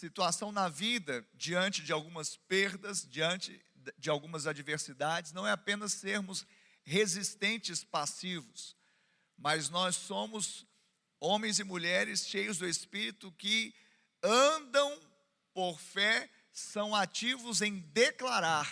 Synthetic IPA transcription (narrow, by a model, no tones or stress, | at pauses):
sit̪uasɐ̃w̃nɐvid̪ɐd͡ʒiɐ̃nt͡ʃɪd͡ʒɪawɡũmɐspeɾd̪ɐzd͡ʒiɐ̃nt͡ʃɪ | d͡ʒɪawɡũmɐzad͡ʒiveɾsid̪ad͡ʒɪsnɐ̃w̃ɛapẽnɐsːeɾmʊs | hezist̪ẽnt͡ʃɪspasivʊs | mɐznɔsːõmʊz | õmẽj̃zɪmuʎɛɾɪsʃejʊzd̪ʊespiɾit̪ʊkɪ | ɐ̃d̪ɐ̃w̃ | poɾfɛ | sɐ̃w̃at͡ʃivʊzẽj̃d̪eklaɾaɾ